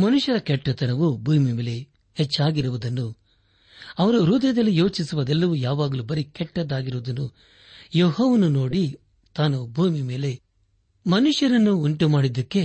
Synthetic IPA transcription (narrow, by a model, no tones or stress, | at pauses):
mɐnuʂjɐɾɐkɛʈːɐt̪ɐnɐʋubʱuːmimeːle | het͡ʃːaːɡiɾuʋud̪ɐnːu | ɐʋɐɾuɾuːd̪ɐjɐd̪ɐlːijo̞ːt͡ʃisuʋɐd̪ɛlːɐʋujaːʋaːɡɐlubɐɾikɛʈːɐd̪aːɡiɾuʋud̪ɐnːu | joːɦoʋɐnuno̞ːɽi | t̪aːnubʱuːmime̞ːle̞ | mɐnuʂjɐɾɐnːuːɳʈumaːɽid̪ɐkːe̞